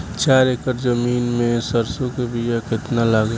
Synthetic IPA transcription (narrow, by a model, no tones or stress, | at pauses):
t͡ʃaːɾekəɾd͡ʒəmiːnmẽsəɾsõkebʱijakɪt̪nalaɡe